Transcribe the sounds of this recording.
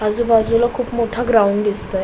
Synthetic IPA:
ad͡zuːbad͡zulakʰuːpmoʈʰaɡɾauɳɖd̪ist̪a

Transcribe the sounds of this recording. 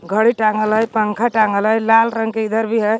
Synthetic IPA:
ɡʱəɽiʈaŋəlɦəjpəŋkʰaʈaŋəlɦəjlalɾəŋɡkeid̪əɾbʱiɦəj

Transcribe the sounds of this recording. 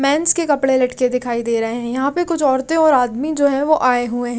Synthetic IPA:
mɛ̃ːnskekɐpɽelɐʈked̪ɪkʰaːid̪eːɾɐɦeɦɛ̃jɐɦãpekʊt͡ʃʰɔːɾt̪ẽɔːɾaːd̪mid͡ʒoːɦɛ̃ʋoʔaːeɦuẽɦɛ̃

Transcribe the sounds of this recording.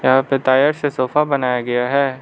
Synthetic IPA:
jɐɦãːpet̪aːjəɾsesoːfabɐnaːjaɡɐjaɦɛː

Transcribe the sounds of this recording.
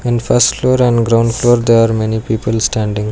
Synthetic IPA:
ɪ̃nfʰɐsʈfloːɾɛ̃ɳɖɡɾãʊɳɖfloːɾd̪eɾaːɾmɛnipiːpəlsʈæ̃ːɳɖĩŋ

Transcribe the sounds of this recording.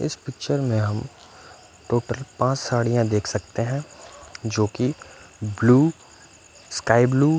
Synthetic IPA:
ɪ̰spɪk̚t͡ʃəɾmẽɦɐm | ʈoːʈəlpãːt͡ʃsaːɽijãd̪eːkʰsɐkt̪eɦɛ̃d͡ʒoːkibluː | skaːɪbluː

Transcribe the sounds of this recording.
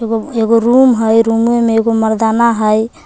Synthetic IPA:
ɡoeɡoɾumɦəjɾumemeeɡoməɾd̪anaɦəj

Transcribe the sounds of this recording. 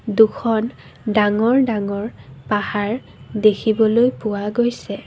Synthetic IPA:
dukʰɔn | daŋɔɹdaŋɔɹpahaɹ | dekʰibɔlojpʊwaɡojsɛ

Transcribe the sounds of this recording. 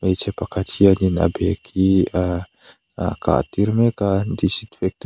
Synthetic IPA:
met͡sapakat̪ʰianina̰bekʰia | aka̰t̪iɾimekand̪isit̪i̥fek̚t̪

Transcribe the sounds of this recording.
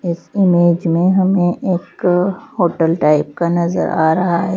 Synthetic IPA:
ɪsɪmeːd͡ʒmẽɦɐmẽʔeːkhoːʈəlʈaːɪp̚kanɐzə̰ɾʔa̰ːɾɐɦaɦɛ

